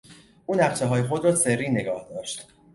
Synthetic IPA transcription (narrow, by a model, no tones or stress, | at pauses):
ʔuːnæqʃeɦɒːjexod̪ɾɒːserːiːne̞ɡɒːhd̪ɒːʃt̪